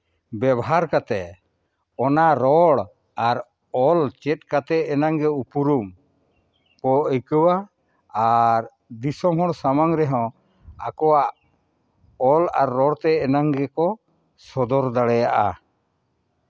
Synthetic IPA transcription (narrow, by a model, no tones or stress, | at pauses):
bɛbɔɦaɾkat̪ɛ | ɔnaɾɔɽ | aɾ | ɔlt͡ʃɛt̪̚kat̪ɛɛnaŋɡɛupuɾum | kɔikəwa | aɾ | d̪isɔmɦɔɽ̃samaŋɾɛɦɔ̃ | a̰kɔwaʔ | ɔla̰ɾːɔɽt̪ɛɛnaŋɡɛkɔ | sɔd̪ɔɾd̪aɽɛjaʔa̰